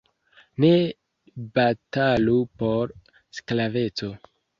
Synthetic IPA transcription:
ne̞ | batalupo̞ɾ | sklave̞t͡so̞

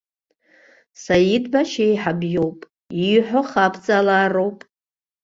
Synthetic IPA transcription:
sajidbaʃejħabjowpʼ | iħʷᶣoχapʰt͡sʼalaːro̞wpʼ

